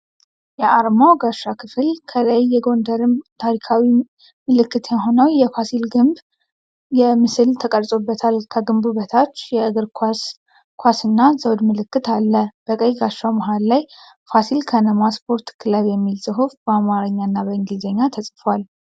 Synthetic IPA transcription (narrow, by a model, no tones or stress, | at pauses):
jɛʔaɾmawɡaʃːakʰɨfɨlkʰələjːɛɡo̞nd̪əɾɨmt̪ʰaɾikʰawi | mɨlɨkːɨt̪jaɦo̞nəwjɛfasilɡɨmb | jɛmɨsɨlt̪ʰəkʼəɾsʼobːət̪ʰalkʰəɡɨmbuβət̪ʰat͡ʃːjɛɨɡɨɾkʰ | kʰʷasɨnːazəwd̪mɨlɨkːɨt̪alːəb̥əkʼəjɡaʃaməɦalːaj | fasilkʰənəmaspʰo̞ɾt̪kʰɨləβjɛmːilsʼɨɦufbəamaɾəɲːanːabəɨŋɡlzəɲːat̪ʰəsʼfwal